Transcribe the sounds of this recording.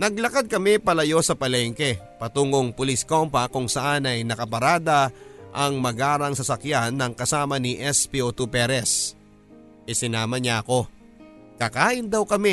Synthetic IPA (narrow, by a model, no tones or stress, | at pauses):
nɐɡ̚lɐkad̪̚kɐmɛpɐlɐjo̞sɐpɐlɛŋkɛpɐt̪uːŋoŋpʊlisko̞mpɐkʊŋsɐʔanɐjnɐkɐpɐɾaːd̪ɐʔɐŋmɐɡaːɾɐŋsɐsɐkjanːɐŋkɐsaːmɐniʔɛspiot̪upɛɾɛs | ʔɛsɪnaːmɐɲaʔɐko̞ | kɐkaːʔɪnd̪ɐwkɐmɛ